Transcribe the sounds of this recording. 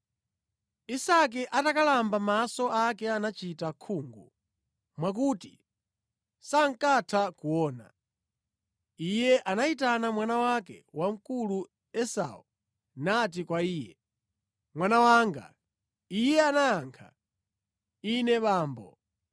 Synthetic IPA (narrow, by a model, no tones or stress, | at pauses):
isak̬ɛʔatakalambamasɔakɛanat͡ʃitakʰuːŋɡu | mwak̬uti | saŋ̩katʰakuɔːna̰ | ijɛʔanaitanamwanawakɛ̰wam̩kulu | ɛsa̰u | nat̬ikwaiːjɛ | mwanawaŋɡa̰ | ijɛanajaːŋkʰa̰ | inɛɓaːmbɔ̰